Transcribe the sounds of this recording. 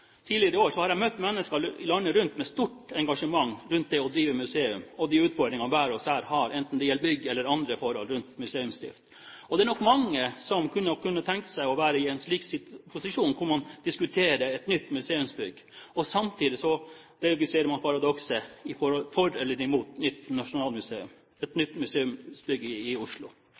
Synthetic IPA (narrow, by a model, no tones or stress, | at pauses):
t̪ʰiːlɪəɾəoːʂɔhɑɾæɪmœt̪ːmɛnːəskəɪlɑnːəɾʉnt̪mɛst̪uʈɛŋɡɑʂəmɑŋːɾʉnt̪̚d̪ɛɔd̪ɾiːʋəmʉseːʉmɔd̪iːʉːt̪fɔɖ̪ɾɪŋɑʋæːɾɔshæːɾhɑɾʔɛnt̪n̩d̪ɛjɛlbʏɡːɛlːəɾɑnd̪ɾəfɔɾhɔ̰lɾʉnt̪mʉseːʉmst̪ɪ̰ft̪ | ɔd̪ɛæɳnɔkːmɑŋːəsɔmkʰʉnːəkʉnːət̪ʰɛŋkə̥sæɪɔʋæːɾəɪɛɪnʂliːksɪpʰʊsɪʂuːnkʰʊɾmɑnd̪ɪskʉt̪ʰeːɾəɛt̪nʏt̪ːmʉseːʉmsbʏɡː | ɔsɑmt̪ʰiːd̪ɪsɔ | ɾɛɑɡɪseːɾəɾmɑnpʰɑɾɑd̪ɔksəɪfɔɾhɔlfɔɾɛlːəɾɪmuːt̪nʏt̪ːnɑʂʊnɑːlmʉseːʉ̰m | ɛt̪nʏt̪ːmʉseːʉmsbʏɡːəɪʊʂlʊ̰